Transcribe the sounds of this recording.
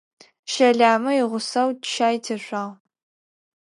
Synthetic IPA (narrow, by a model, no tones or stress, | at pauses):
ʃɐɮaːmɐiʁʷʊsɐwtʃaːjtʰɐɕʷɐʁ